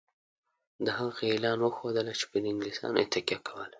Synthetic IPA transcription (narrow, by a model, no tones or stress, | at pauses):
d̪əɦaɣaelɑnwəxod̪əlat͡ʃe̥pəɪŋɡlisɑ̰net̪akjɑkʰawəl